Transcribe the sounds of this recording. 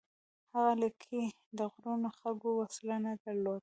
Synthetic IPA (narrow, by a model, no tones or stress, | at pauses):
haɣaləkʰe | d̪əɣɾunoxaɡowaslanad̪aɾlod̪̚